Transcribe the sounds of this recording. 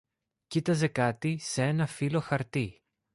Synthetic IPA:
cit̪ɐze̞kɐt̪isee̞nɐfilo̞xɐɾt̪i

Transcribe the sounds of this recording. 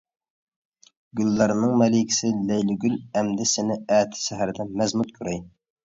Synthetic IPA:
ɡʲylːɑɾnɨŋmɛlɪkʲʰi̥sɪlɛjlɪɡʲylɛmd̪ɪsɪnɪæːt̪ʰɪ̥ʃɛɦæɾd̪ɛmɛzmut̪kʲʰyɾɛj

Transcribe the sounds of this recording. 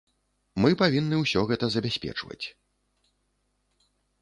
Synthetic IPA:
mɨpavʲinːɨwsʲɔɣɛt̪ɐzɐbʲasʲpʲɛ̰t͡ʂvɐ̰t͡sʲ

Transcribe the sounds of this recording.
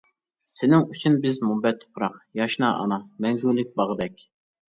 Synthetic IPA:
sɪnɪŋyt͡ʃʰynbɪzmubɛt̪ʰːo̥pʰɾɑqjɑʃnɑʔɑ̰nɑmɛŋɡulːɪk̚ʲbɑʁəd̪ɛkʲ

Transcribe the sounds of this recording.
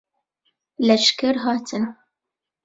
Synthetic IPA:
lɛʃkɛɾɦɑːt̪ʰɨn

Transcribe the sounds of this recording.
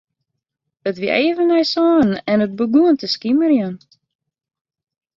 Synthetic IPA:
ətʋiʔeːvənɛjsɔːn̩ɛnət̚bəɡuəntəskimərjən

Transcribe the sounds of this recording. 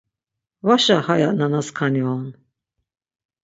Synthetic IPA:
vaʃahajaʔnanaskʰaniɔn

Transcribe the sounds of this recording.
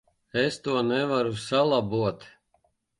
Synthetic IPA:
ɛst̪uɔnɛvaɾusalˠabuɔt̪

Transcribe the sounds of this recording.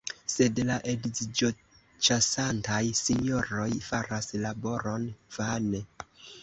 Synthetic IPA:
se̞dlaʔedizid͡ʒo̞ | t͡ʃasantajsiɲoɾo̞jfaɾaslabo̞ɾo̞nv̥ane

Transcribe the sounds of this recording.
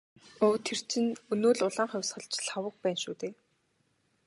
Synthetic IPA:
oːt̪ʰːer̥t͡ɕʰɪ̆nɵnoːɮʊɮaːɴχœwʲsχə̆ɮt͡ɕɬawə̆k̚pæːnʃṵːt̪eː

